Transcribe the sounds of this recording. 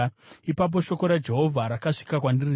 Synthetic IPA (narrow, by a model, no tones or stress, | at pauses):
ipap̬o̞ʃo̞ko̞ɾad͡ʒe̞ɦo̞vʱaɾakaʂi̥kakwandir